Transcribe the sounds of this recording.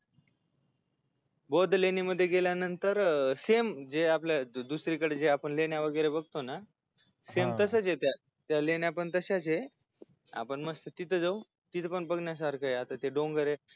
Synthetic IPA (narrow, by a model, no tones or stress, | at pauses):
bod̪ʱleniməd̪ʱːjeɡeljanənt̪əɾsemd͡zeapljad̪usɾikəɽed͡zeapəɳleɳjaʋəɡəjɾebəɡ̚t̪ona | semt̪əsət͡set̪ja | t̪jalenjapəɳt̪əɕat͡se | a̰pəɳməst̪ət̪it̪ʰəd͡zaw | t̪it̪ʰəpəɳbəɡnjas̬aɾkəjat̪at̪eɖoŋɡəɾe